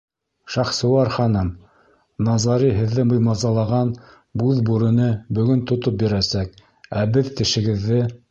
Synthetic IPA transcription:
ʃɑχsɤ̆wɑɾχɑnɤm | nɑzɑɾiɦɘ̆ðːɘmɤ̆jmɑzɑlˠɑʁɑn | bʉðbuɾɤ̆nɤbɵ̆ɡɵnt̪ŏt̪op̚bĭɾæsæk̚ | æbɘðt̪ɘ̆ʃɘ̆ɡɘ̆ðːɘ

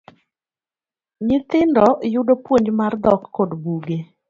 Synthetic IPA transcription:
ɲɪt̪ɪndɔjʊdopwoɲd͡ʒmard̪ɔkːɔdbuɡe

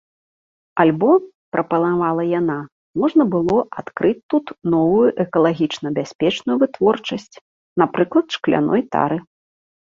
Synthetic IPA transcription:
alʲbɔ | pɾʔɐpɐlˠavalˠɐjana | mɔʐnɐbɨlˠɔʔa̰t̪kɾʔɨt͡sʲt̪ut̪nɔvujuʔɛkɐlˠaɣʲit͡ʂnɐbʲasʲpʲɛt͡ʂnujuvɨt̪vɔrt͡ʂɐsʲt͡sʲ | napɾɨklˠɐt̪ʂklʲa̰nɔ̰jt̪a̰ɾɨ

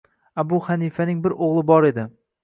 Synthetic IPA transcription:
abʊhanifanɪŋbɪɾoʁlˠɪbɒɾe̞d̪ɪ

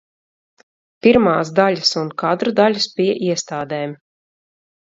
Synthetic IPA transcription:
piɾmaːzd̪aʎʲasunkad̪ɾud̪alʲuspiɛʔiɛst̪aːd̪ɛːm

